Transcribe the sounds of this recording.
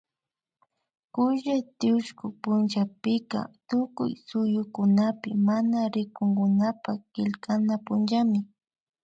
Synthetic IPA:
kʊʒajt̪ɪʊʃkʊpʊnʒapɪka̰t̪ʊkʊ̰jsʊjʊkʊnapɪmanaɾɪkʊŋɡʊnapakɪlkanapʊnʒamɪ

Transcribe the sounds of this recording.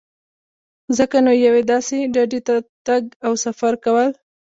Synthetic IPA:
zəkanojawed̪ɑseɖaɖet̪at̪aɡawsafaɾkawəl

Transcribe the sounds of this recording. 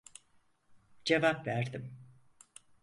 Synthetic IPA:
d͡ʒevapvæɾd̪im

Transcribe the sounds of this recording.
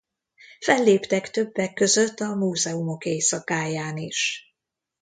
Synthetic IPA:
fɛlːeːpt̪ɛkt̪ø̞bːɛkːø̞zø̞t̪ːɒmuːzɛumo̞keːsɒkaːjaːniʃ

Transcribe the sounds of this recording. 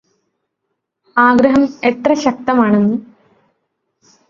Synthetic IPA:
aːɡɾɐɦɐme̞t̪rɐɕɐk̚t̪ɐmaːɳenːu

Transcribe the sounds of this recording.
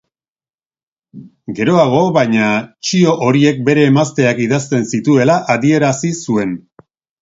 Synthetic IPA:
ɡe̞ɾo̞aɣ̞o̞βaɲat͡ʃio̞ʔoɾie̞k̚be̞ɾe̞ːmast̪e̞akiðast̪e̞nsit̪ue̞laʔaðie̞ɾasisue̞n

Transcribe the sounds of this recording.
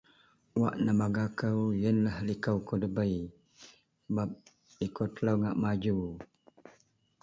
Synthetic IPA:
waʔnəmaɡakəwjənlahlikəwkodəbəj | bap̚ | ikot̪ələwŋaʔmad͡ʒu

